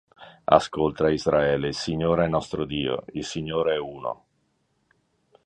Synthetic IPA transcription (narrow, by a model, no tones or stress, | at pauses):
a̰skolt̪aizɾaɛːleilsiɲːoːɾɛnːɔst̪ɾod̪iːo̰ilsiɲːoːɾeɛuːno̰